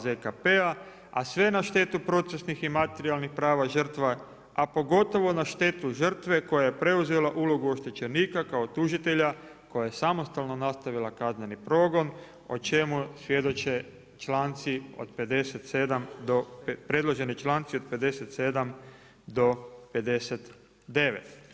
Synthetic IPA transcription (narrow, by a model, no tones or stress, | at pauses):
zekapea | a̰sʋe̞naʃt̪e̞t̪upɾo̞t̪se̞sniximat̪eɾialnixpɾaːʋaʒər̩t̪ʋa | apo̞ɡo̞t̪o̞ʋo̞naʃt̪e̞t̪uʒər̩t̪ʋe̞ko̞jaje̞pɾe̞uze̞laʔulo̞ɡuo̞ʃt̪e̞t͡ʃeniːkakaot̪uʒit̪e̞ʎa | ko̞jajesamo̞st̪alˠno̞nast̪aʋilakazme̞nipɾo̞ɡo̞n | o̰t͡ʃe̞musʋje̞d̪o̞t͡ʃe | t͡ʃlaːnt̪sio̞̰d̪pe̞d̪e̞set̪se̞d̪amd̪opɾe̞d̪lˠo̞ʒe̞nit͡ʃlant̪siod̪̚pe̞d̪e̞set̪se̞d̪am | d̪o̞pe̞d̪e̞set̪ | d̪e̞ʋet̪